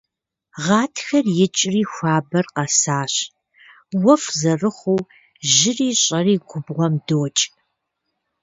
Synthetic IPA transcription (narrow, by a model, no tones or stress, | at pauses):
ʁɑːtʰxɐrjɪt͡ʃʼriːxʷɑːbɐrqɐsaːɕ | wɐfzɐrɨχʷuː | ʒɪriːɕʼɐriːɡʷʊbʁʷɔmdoːt͡ʃʼ